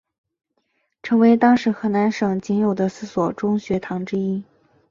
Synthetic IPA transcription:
ʈ͡ʂʰɤ˧˥ŋwe˧˥ɪt̪ɑ˥ŋʂɻ̩˧˥xɤ˧˥na˧˥nʂɤ˨˩ŋt͡ɕi˧˥ŋjo˨˩ʊd̪ə˦sɹ̩˥˩swɔ˨˩ʈ͡ʂʊ˥ŋɕɥɛ˧˥t̪ʰɑ˧˥ŋʈ͡ʂɻ̩˥i˥

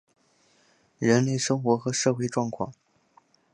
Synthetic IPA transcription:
ɻə˧˥nle˥˩ɪʂɤ˥ŋxwɔ˧˥xɤ˧˥ʂɤ˥˧xwe˥˧ɪʈ͡ʂwɑ˥˧ŋkʰwɑ̰˥˩ŋ

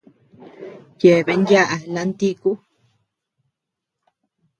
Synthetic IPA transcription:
je˨βe˧˦nja˦ʔa˨la˧˦nt̪i˦ku˦

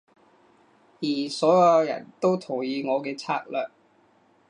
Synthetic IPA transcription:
jiː˨˩sɔː˨˥jɐː˧wjɐ̰˨˩nt̪o˥wt̪ʰo˨˩jiː˨˧ŋɔː˨˧kɛː˧t͡sʰaː˧˥k̚lœː˨k̚

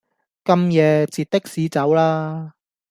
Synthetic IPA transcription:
kɐ˧mjɛː˨˧t͡siː˨t̪̚ːɪ˥k̚siː˨˥t͡sɐ˨˥wlaː˥

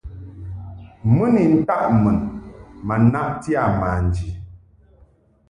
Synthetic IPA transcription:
mɨ˦ni˨n̩˦ta˦ʔmɨ˨nma˨na˦ʔti˦a˨ma˨n̩˨d͡ʒi˨

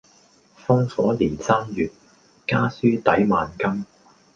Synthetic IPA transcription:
fɔː˥ŋfɔ̰ː˨˥liː˨˩nsaː˥mjyː˨t̚ | kaː˥syː˥t̪ɐ˨˥jmaː˨nkɐ˥m

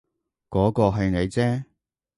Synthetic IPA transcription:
kɔː˨˥kɔː˧ɦɐ˨jne˨˧jt͡sɛː˥

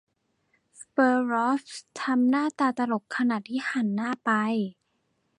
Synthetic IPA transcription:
spɤː˧ɾɔː˦˥ft̪ʰa˧mnaː˥˩t̪aː˧˩t̪a˧lo˨˩kʰːa˧naː˨˩t̪ʰːiː˥˩ha˨˩nːaː˥˩pa˧j

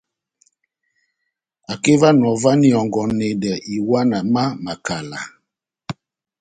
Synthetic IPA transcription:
a˨ke˦va˦nɔ˨va˦ni˦˨ɔ˨ŋɡɔ˨ne˨dɛ˨ʔi˨wa˦na˨ma˦ma˨ka˨la̰˨

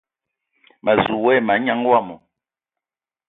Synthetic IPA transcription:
mʔa˨zu˨wɛ˦˨ma˨˦ɲa˦ŋ˦wa˦˨mɔ˨

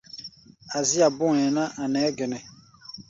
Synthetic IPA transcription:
a˨zi˦a˨bõ˦˨ɛ˨nã˦ʔa˨nɛ˨˦ɡɛ˨nɛ˨

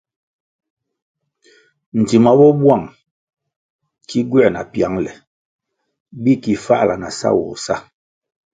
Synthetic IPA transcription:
n̩˨ti˨ma˨bɔ˦bwa˦˨ŋ | kʰi˦ɡwɛ˦˨na̰˨pja˨˦ŋlɛ˨ | bi˦ki˨fa̰˦ʔla˨na˨sa̰˦wɔ̰˨sa˦

